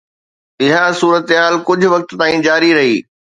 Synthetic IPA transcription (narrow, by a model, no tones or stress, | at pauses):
ɪɦãsuːɾət̪ɦaːlkʊd͡ʑʱʊ̆ʋɐk̚t̪̆t̪aːĩd͡ʑaːɾiɾɐɦiː